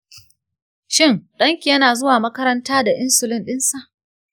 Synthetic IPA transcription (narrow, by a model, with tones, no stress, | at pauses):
ʃɪ˦ŋɗɐ˦ŋkʲi˨jɐ˦naː˨zʊ˦waː˨mɐ˦kɐ˦ɾɐ˦ntaː˦da˨ʔɪ˦nsʊ˨lɪ˦nɗɪ˦nsa˨ʔ